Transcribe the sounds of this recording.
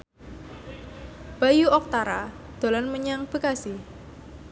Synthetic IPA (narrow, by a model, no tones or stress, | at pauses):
b̥a̤juʔɔk̚t̪aɾa | d̪̥o̤lanməɲaŋb̥ə̤kasi